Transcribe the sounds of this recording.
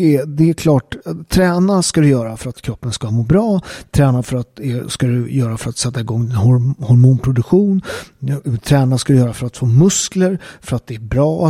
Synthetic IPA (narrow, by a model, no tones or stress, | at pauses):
ɛd̪ɛæɾkʰlɑːʈt̪ʰːɾɛːnaskad̪ɵjœːɾafœɾat̪kʰɾɔpːənskamoːbɾɑːt̪ʰɾɛːnafœɾat̪̚d̪ɛskad̪ɵjœːɾafœɾat̪sɛt̪ːaɪɡɔŋːhɔhɔɾmuːnpʰɾʊd̪ɵkɧuːn | t̪ʰɾɛːnaskad̪ʏjœːɾafœɾat̪foːmɵskləɾfœɾat̪̚d̪ɛæbɾɑːa